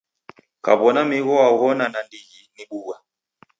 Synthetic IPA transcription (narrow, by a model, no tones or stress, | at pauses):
ka̰βɔnamiɣɔaɣɔnanandiɣiniɓuɣa